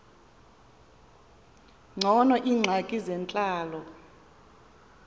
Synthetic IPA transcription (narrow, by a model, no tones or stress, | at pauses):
ŋ͡ǀʱɔnɔʔiːŋ͡ǀʱakʼizɛnt͡ɬʼaːlɔ